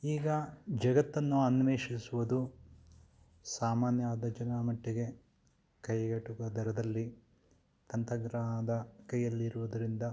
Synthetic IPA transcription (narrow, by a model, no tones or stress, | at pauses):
iːɡɐd͡ʒɐɡɐt̪ːɐnːuɐnʋeːʂisuʋud̪u | saːmaːnjɐaːd̪ɐd͡ʒɐnaːmɐʈːiɡe̞ | kɐjɡɐʈːuɡɐd̪ɐɾɐd̪ɐlːi | t̪ɐnt̪ɐɡɾaːd̪ɐkɐjːɐlːiɾuʋud̪ɐɾind̪ɐ